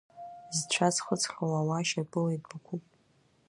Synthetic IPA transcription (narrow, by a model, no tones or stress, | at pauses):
zt͡ɕʷʰazχət͡sʰʼχʲawawaʃabɨlejtʼbakʷʰupʼ